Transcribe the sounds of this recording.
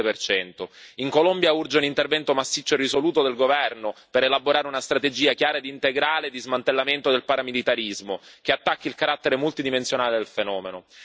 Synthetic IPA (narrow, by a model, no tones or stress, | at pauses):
epert͡ʃɛnt̪oiŋkolombjaurd͡ʒeunint̪ervɛnt̪omasːit͡ʃːoerisoluːt̪od̪elɡovɛrnopeɾelaboɾaːɾeunast̪ɾat̪ed͡ʒiːakjaːɾad̪iːnt̪eɡɾaːled̪izmant̪elːament̪od̪elpaɾamilit̪aɾizmok̟eat̪ːakːilkaɾat̪ːeɾemult̪id̪imensjonaːled̪elfenɔːmeno